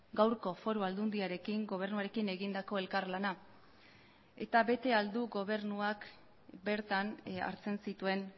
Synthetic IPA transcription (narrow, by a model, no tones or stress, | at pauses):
ɡawɾko̞fo̞ɾuald̪und̪iaɾe̞kiŋɡo̞β̞e̞ɾnuaɾe̞kine̞ɣind̪ako̞e̞lkaɾlana | e̞̰t̪aβe̞t̪e̞ald̪uɡo̞β̞e̞ɾnuak | be̞ɾt̪ana̰ɾt͡se̞nsit̪ue̞n